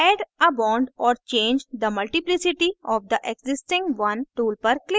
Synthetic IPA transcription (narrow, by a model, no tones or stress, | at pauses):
ɛɖəbãʊɳɖɔːɾt͡ʃẽːɲd͡ʒd̪əmɐlʈiplisɪʈiɔːʋd̪əʔekzɪsʈɪ̃ŋɡʋɐ̃nʈuːlpəɾklɪ